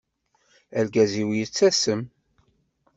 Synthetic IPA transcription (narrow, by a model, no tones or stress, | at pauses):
ælɡæziwjət͡sːæsəm